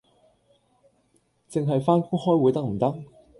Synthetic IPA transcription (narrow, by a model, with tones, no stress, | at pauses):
t͡sɪ˨ŋɦɐ˨jfaː˥nkuː˥ŋhɔː˥jwu˨˥jt̪ɐ˥k̚m̩˨˩t̪ɐ˥k̚